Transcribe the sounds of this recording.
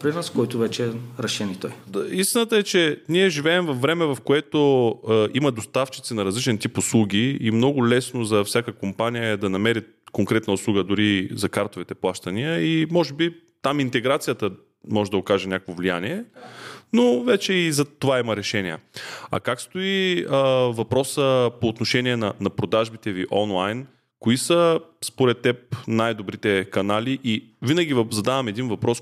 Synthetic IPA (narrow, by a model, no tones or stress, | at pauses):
pɾinaskɔjt̪ʊvɛt͡ʃɛɾɛʃɛnit̪ɔjist̪inət̪əɛt͡ʃɛniɛʒivɛːmvɐfːɾɛmɛvɐfkoɛt̪oiməd̪ost̪aft͡ʃi̥t̪sinɐɾɐzlit͡ʃɛnt̪ipʊslˠuɡʲiimnɔɡʊlɛsnozɐfsʲakəkompanijəɛd̪ɐnɐmɛɾi | koŋkɾɛt̪nəʊslˠuɡəd̪ʊɾizɐkaɾt̪ovit̪ɛplˠaʃt̪əniəimɔʒɛbi | t̪amint̪ɛɡɾat̪sijət̪ə | mɔʒɛd̪ɐokaʒɛnʲakvovlʲija̰niɛ | novɛt͡ʃɛizɐt̪ovaimɐɾɛʃɛniə̰ɐ̰kakst̪oiəvɐpɾɔsəpoːt̪noʃɛniɛnɐnɐpɾod̪aʒbit̪ɛviʔɔnlˠajn | koisəspoɾɛt̪ːɛp̚najd̪obɾit̪ɛkɐnaliʔivinəɡʲivzɐd̪avɐmɛd̪invɐpɾɔs